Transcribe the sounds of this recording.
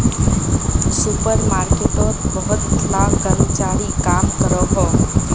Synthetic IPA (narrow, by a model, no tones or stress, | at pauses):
supəɾmaɾkeʈɔt̪bəɦʊt̪̚kʰlakəɾmət͡ʃaɾikamkəɾɔɦɔ